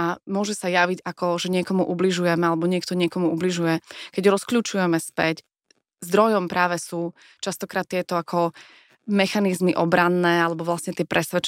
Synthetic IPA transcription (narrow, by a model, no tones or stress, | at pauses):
amʊɔʒɛsajaʋiɟakɔʒɛɲɪɛkɔmuʔubliʒujɛmɛalɛbɔɲɪɛk̚t̪ɔɲɪɛkɔmuʔubliʒujɛkɛɟɾɔskluːt͡ʃujɛmɛspɛc | zd̪ɾɔjɔmpɾʔaːʋɛsuː | t͡ʃast̪ɔkɾaːt̪̚ːɪɛt̪ɔakʰɔ | mɛxanizmiʔɔbɾanːɛːalɛbɔʋlasɲɛt̪ɪɛpɾʔɛsʋɛt͡ʃ